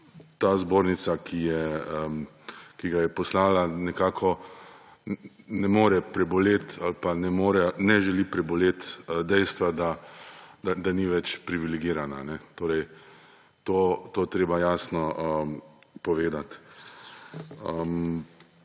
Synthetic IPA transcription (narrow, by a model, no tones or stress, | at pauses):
t̪aːzboːɾnit̪sakʰijɛə | kiɡajɛpɔslaːlanɛkaːkʰɔ | nɛmoːɾɛpɾɛbɔleːt̪alpanɛmoːɾɛnɛʒɛlipɾɛbɔleːt̪d̪ɛjst̪ʋad̪a | d̪ad̪aniʋɛt͡ʃpɾiʋilɛɡiːɾananɛt̪oːɾɛj | t̪oːt̪ot̪ɾeːbajaːsnɔəpɔʋeːd̪at̪ | əm